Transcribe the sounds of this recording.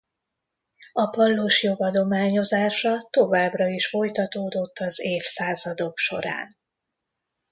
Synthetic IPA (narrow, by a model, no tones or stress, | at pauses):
ɒpɒlːoʃjo̞ɡɒd̪o̞maːɲo̞zaːʃɒt̪o̞vaːbrɒiʃfo̞jt̪ɒt̪oːd̪o̞t̪ːɒzeːfsaːzɒd̪o̞kʃo̞̰ɾa̰ːn